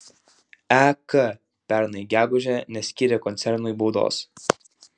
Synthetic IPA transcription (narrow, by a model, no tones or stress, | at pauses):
ækə | pʲæˑɾnɐɪɡʲæːɡʊʒʲɛnʲɛsʲkʲiːɾʲɛːkɔnt̪sʲɛɾnʊiˑbɔʊd̪o̰ːs